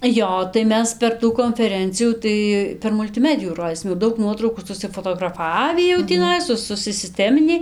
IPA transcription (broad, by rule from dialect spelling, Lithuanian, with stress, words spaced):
ˈjoː tɐɪ ˈmʲɛs pʲɛr ˈtuː koːnʲfʲɛˈrʲɛnʲt͡sʲɪjuː ˈtɐɪ pʲɛr mʊlʲtʲɪˈmʲæːdʲɪjuː ˈroːdʲiːsʲɪm jɛʊ ˈdɐʊk ˈnuɔtrɐʊkuː sʊsʲɪfoːtoːɡrɐˈfɑːʋʲiː jɛʊ tʲiːˈnɐɪ ˈsʊ sʊsʲɪˈsʲtʲæːmʲɪnʲɪ